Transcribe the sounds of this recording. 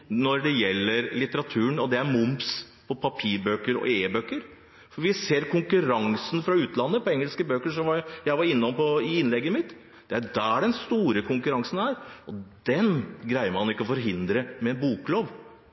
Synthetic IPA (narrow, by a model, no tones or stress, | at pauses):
nɔɾɖ̪ɛjɛlːəɾlɪt̪əɾɑt̪ʰʉːənɔd̪ɛæɾmʊmbs | pʰɔpʰɑpʰiːɾbøːkːəɾɔ̰eːbøkːəɾ | fɔɾʋɪseːɾkʰʊŋkʉɾɑŋsn̩fɾɑʉːt̪lɑnːəpɔɛŋːəlskəbøːkəʂɔmʋɑɾjæɪʋɑɾɪnːɔmpɔɪɪnlɛɡːəmɪt̪ | d̪̥ɛæɖææɖɛnst̪uːɾəkʰʊŋkʉɾɑŋsnæːɾɔd̪̥ɛnɡɾæɪəməɾhɑnɪkːəɔfɔɾɦɪnd̪ɾəmɛɛnbuːkloːʋ